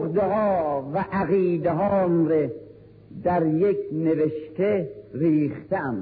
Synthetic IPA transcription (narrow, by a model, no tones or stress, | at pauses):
χd̪eɦɒːvæʔæɣiːd̪eɦɒːnɾe | d̪æɾjekʰneveʃt̪eɾiːχt̪eæn